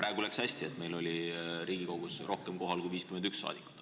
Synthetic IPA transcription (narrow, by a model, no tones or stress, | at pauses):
pɾæeɡulekshæsʲt̪ie̞t̪me̞jlo̞lʲiɾiːɡ̥iko̞ɡ̥usrʔo̞hkemko̞ɦɑlkujviːskymend̪yksːɑ̰ːd̪̥ikːut̪